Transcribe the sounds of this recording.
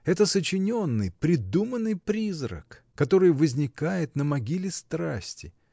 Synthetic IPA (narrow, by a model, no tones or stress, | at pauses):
ɛt̪əsət͡ɕɪnʲo̞nːɨjpɾʲɪd̪umənːɨjpɾʲizɾə̰kː | ɐt̪o̞ɾɨjvəzʲnʲɪkajɪt̪nəmɐɡʲilʲɪst̪ɾasʲtʲɪ